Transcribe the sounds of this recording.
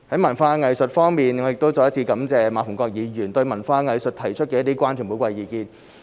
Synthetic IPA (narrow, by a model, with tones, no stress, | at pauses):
hɐ˨˥jmɐ˨˩nfaː˧ŋɐ˨jsɵ˨t̚fɔː˥ŋmiː˨nŋɔ˨˧jɪ˨k̚t̪o˥wt͡sɔ˨˧jɐ˥t͡sʰiː˧kɐ˨˥mt͡sɛː˨maː˨˥fʊ˨˩ŋkɔː˧k̚jiː˨˧jyː˨˩nt̪ɵ˧ɥmɐ˨˩nfaː˧ŋɐ˨jsɵ˨t̚t̪ʰɐ˨˩jt͡ʃʰɵ˥t̚kɛː˧jɐ˥t̪iː˥kʷwaː˥nt͡ʃʰy˨˩pu˨˥jkʷwɐ˧jiː˨˧kiː˧n